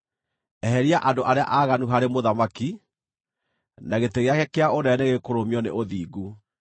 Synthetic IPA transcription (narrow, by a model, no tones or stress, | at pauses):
ɛɦɛɾiaʔandoʔaɾea̰ʔaɣanuɦaɾemoðamaki | naɣeteɣeakɛkeaonɛneɣekoɾomiɔnḛʔoðiːɡu